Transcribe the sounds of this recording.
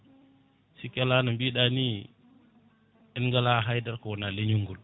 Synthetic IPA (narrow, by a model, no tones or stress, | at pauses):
sikalanambiːɗani | ɛnŋɡalaɦajdaɾkɔwnaleɲuŋɡul